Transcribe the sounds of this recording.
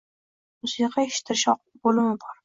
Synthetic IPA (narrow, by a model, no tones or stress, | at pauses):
mʊsiqʰɑeʃɪ̥t̪ʰɪɾɪʃɒq | bolɪmɪbɒɾ